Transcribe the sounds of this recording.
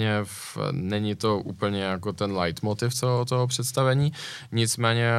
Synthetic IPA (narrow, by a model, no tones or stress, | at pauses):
ɲɛfnɛɲɪt̪o̞ʔuːpl̩ɲɛjakot̪ɛnlajt̪mot̪ɪft͡soɦot̪oɦopr̥ɛt̪st̪avɛɲiːɲɪt͡smɛːɲɛ